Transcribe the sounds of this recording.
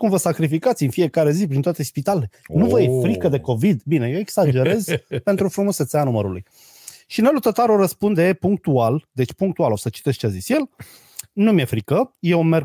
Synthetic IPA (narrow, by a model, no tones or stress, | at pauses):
kumvəsakɾifikat̪sʲɨnfije̞kaɾe̞zipɾint̪oat̪e̞spit̪alelenuvəjefɾikəd̪e̞ko̞vid̪bine̞jeeksad͡ʒe̞ɾe̞zpe̞nt̪ɾufɾumosət̪seanuməɾulṵj | ʃinelut̪ət̪aɾoɾəspund̪epuŋk̚t̪uald̪e̞t͡ʃʲpuŋkt̪ualo̞sət͡ʃi̥t̪e̞st͡ʃeazisje̞l | numje̞fɾikəje̞wme̞rɡ